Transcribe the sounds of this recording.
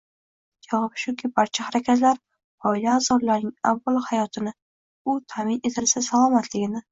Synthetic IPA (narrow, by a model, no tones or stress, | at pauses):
jɒʁɨpʃʊkʲʰɪbaɾt͡ʃʰahaɾakʲʰat̪laɾ | pʰɒɪlaːzɒɾlaɾnɪŋa̰vːalˠhajɒt̪ʰɪnɪ | ʊt̪ʰamɪne̞t̪ʰɪlsasalˠɒmat̪ʰlɪɡʲɪnɪ